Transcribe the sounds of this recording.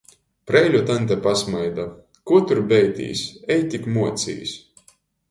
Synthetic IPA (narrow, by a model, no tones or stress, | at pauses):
pɾɛjlʲut̪ant̪̬ʲɛpasmajd̪a | kuɔt̪uɾbɛjt̪ʲḭːsʲɛjt̪ʲikmuɔt̪sḭːs